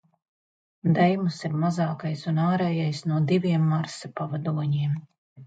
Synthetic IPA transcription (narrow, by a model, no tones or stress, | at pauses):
d̪ɛjmusiɾmazɑːkajsunaːɾɛːjajsnuɔd̪ivʲiɛmːaɾsapavad̪uɔɲiɛm